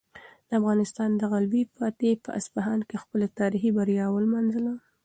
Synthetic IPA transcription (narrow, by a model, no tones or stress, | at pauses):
d̪̥əafɣɑnɪst̪ɑnd̪əɣalbipat̪epə̰ʔa̰sbaɦɑnkexpəlat̪ɑɾixibaɾjɑwəlmɑnzəla